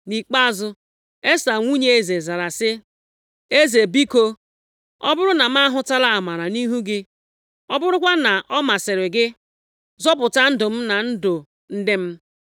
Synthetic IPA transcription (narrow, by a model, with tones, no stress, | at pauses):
ni˨k͡pa˦zʊ˦ | e˦sa˨ŋʷu˦ɲe˦e˦˨ze˨za˨ɾa˨sɪ˦ | e˦ze˨bi˦ko˦ | ɔ̰˦bʊ˦ɾʊ˦na˨m̩˦a˦ɦʊ˦ta˦la˦a˨ma˨ɾa˨ni˦ɦu˦ɡɪ˦ | ɔ˦bʊ˦ɾʊ˦kʷa˦na˨ʔɔ˦ma˨sɪ˨ɾɪ˨ɡɪ˦ | zɔ˦pʊ˨ta˦n̩˦dʊ˨m̩˦na˨n̩˦dʊ˨ | n̩˦dɪ˦m̩˦